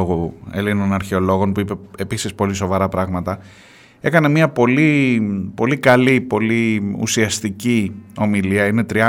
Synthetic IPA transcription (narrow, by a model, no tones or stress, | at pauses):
oɣoelinonɐɾçe̞o̞lo̞ɣo̞npuipe̞episispo̞liso̞vɐɾɐpɾɐɣmɐt̪ɐ | e̞kɐnemiɐpo̞lipo̞likɐlipo̞liṵsiɐst̪icio̞miliɐine̞t̪ɾiɐ